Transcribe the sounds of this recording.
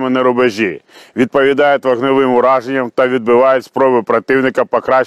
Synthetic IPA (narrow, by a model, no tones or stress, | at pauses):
mɪnɛɾʊbeʒʲiʋʲid̪̚pɔʋʲid̪ɑjʊt̪ʲʋɐɣnɔʋɪmʊɾɑʒenʲːɐmt̪ɐʋʲid̪̚bɪʋɑjʊtʲspɾɔbɪpɾɐt̪ɪwnɪkɐpɔkɾɑ